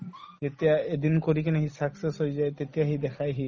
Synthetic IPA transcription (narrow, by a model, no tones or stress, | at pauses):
zet̪ijaed̪inkoɾikinɛɦisaksesojzajt̪et̪ijaɦid̪ɛkʰajɦi